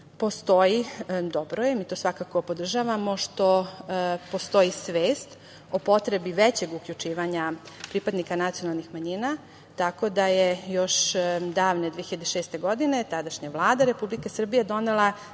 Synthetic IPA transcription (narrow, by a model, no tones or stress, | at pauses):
po̞st̪o̞jid̪obɾojemiːt̪o̞ːsʋakako̞po̞d̪r̩ʒaʋamo̞ʃt̪o̞ | po̞st̪o̞jisʋeːst̪ | o̞po̞t̪ɾebiʋet͡ɕe̞ɡukʎut͡ʃiːʋaɲapɾipad̪nikanat̪sijonalˠnixmaɲina | t̪ako̞d̪ajejo̞ʃd̪aːʋne̞d̪ʋiexiʎad̪eʃeːst̪e̞ɡo̞d̪ine̞t̪ad̪aʃɲaʋlˠaːd̪aɾe̞publikesr̩bijed̪o̞nela